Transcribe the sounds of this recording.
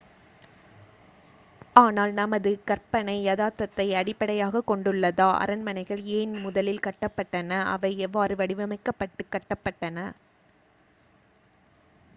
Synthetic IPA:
aːnaːlnɐmɐðɯkɐɾpɐnɐɪjɐðaːt̪ːɐt̪ːɐɪɐɽɪpːɐɽɐjaːɣɐkɔɳɖɯɭːɐðaːʔɐ̰ɾɐnmɐnɐɪɣɐɭeːnmʊðɐlɪlkɐʈːɐpːɐʈːɐnɐʔɐ̰ʋɐɪɛʋːaːɾɯʋɐɽɪʋɐmɐɪkːɐpːɐʈːɯkːɐʈːɐpːɐʈːɐnɐ

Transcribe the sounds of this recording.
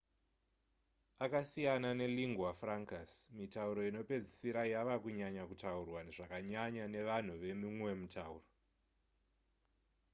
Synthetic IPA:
akasijanane̞liŋɡwafraŋkasmitauɾo̞ino̞pe̞d͡zisiɾajaʋakuɲaɲakutaurwaneʐ̥akaɲaɲane̞ʋan̤uʋe̞mimwe̞mutʰaṵːro

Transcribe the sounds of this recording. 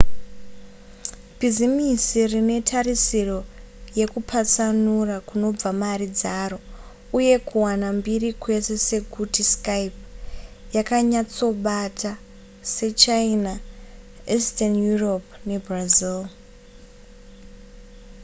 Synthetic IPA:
b̥ʱizimisirine̞tʰarisiro̞ | je̞kupʰat͡sanurakuno̞b͡vamarid͡zaɾo̞ | uje̞kuwanambirikwe̞se̞se̞kutiskajpjakaɲat͡so̞ɓatʰa | se̞t͡ʃaina | istanjuropne̞brazil

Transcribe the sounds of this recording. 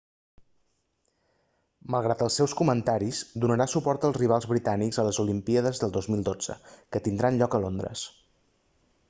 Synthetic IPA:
məlˠɣ̞ɾat̪əlˠsːɛwskumənt̪aɾizd̪unəɾasupɔɾt̪əlˠzriβ̞alˠzβɾit̪anikzələzulimpiəðəzðəlˠd̪ozmilˠd̪od͡z̥ə̰kət̪ind̪ɾanʎɔkəlond̪ɾə̰s

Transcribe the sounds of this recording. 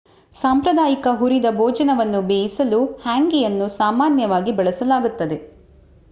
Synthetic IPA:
saːmpɾɐd̪aːjikɐɦuɾid̪ɐbʱɔːd͡ʒɐnɐʋɐnːubeːjisɐluhaːŋɡijɐnːusaːmaːnjɐʋaːɡibɛɭɐsɐlaːɡut̪ːɐd̪e̞

